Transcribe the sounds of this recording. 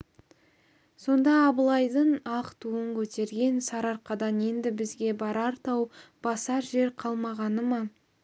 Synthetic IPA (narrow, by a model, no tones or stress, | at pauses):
so̞nd̪ɑːbəlˠɑjd̪əɴɑqt̪ʰuəɴkʲʰɵt̪e̞ɾɡʲe̞nsɑɾɑɾqɑd̪ɑne̞nd̪ɪbɪzɡʲe̞bɑɾɑɾt̪ɑwb̥ɑsɑɾʒe̞ɾqʰɑlˠmɑʁɑnəmɑ